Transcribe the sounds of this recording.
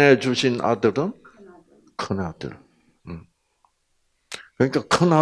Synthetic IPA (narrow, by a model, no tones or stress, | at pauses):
ed͡ʑuɕʰina̰dɯɾɯn | kʰɯnad̪ɯ̰ɭ | m | kɯɲik͈ʰakʰɯna